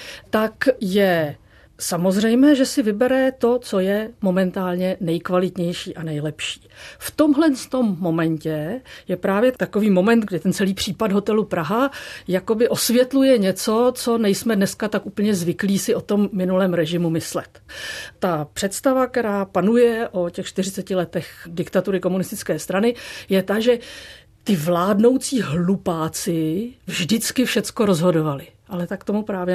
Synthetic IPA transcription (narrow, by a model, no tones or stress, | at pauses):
t̪akjɛ | samozr̝ɛjmɛːʒɛsɪvɪbɛɾɛt̪o̞t͡sojɛmo̞mɛnt̪aːlɲɛnɛjkvalɪt̪ɲɛjʃiːʔanɛjlɛpʃi̥ːft̪o̞mɦlɛnst̪o̞mːo̞mɛɲcɛjɛpɾaːvjɛt̪ako̞viːmo̞mɛnt̪ɡdɪt̪ɛnt͡sɛliːpr̝̥iːpadɦo̞t̪ɛlupɾaɦajako̞bɪʔo̞svjɛt̪lujɛɲɛt͡so̞t͡so̞nɛjsmɛdnɛskat̪akʔuːpəɲɛzvɪkliːsɪʔo̞t̪o̞mːɪnulɛːmɾɛʒɪmumɪslɛt̪t̪ːapr̥ɛt̪st̪avak̚t̪ɛɾaːpanujɛʔo̞cɛxt͡ʃt̪ɪrɪt͡sɛcɪlɛt̪ɛxdɪkt̪at̪uɾɪko̞munɪst̪ɪt͡skɛːst̪ɾanɪjɛt̪aʒɛ | t̪ɪvlaːdno̞wt͡siːɦlupaːt͡sɪvʒdɪt͡skɪfʃɛt͡sko̞ɾo̞zɦo̞do̞valɪʔalɛt̪akt̪o̞mupɾaːvjɛ